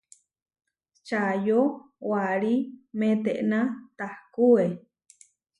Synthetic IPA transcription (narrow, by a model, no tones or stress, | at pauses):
t͡ʃajo | waɺimẽt̪eʔnat̪ahkue